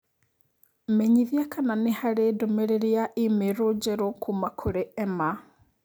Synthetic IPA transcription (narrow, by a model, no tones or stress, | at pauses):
meɲiðjakananehaɾedomeɾeɾiaʔimeɾod͡ʒeɾokʰumakʰoɾeɛma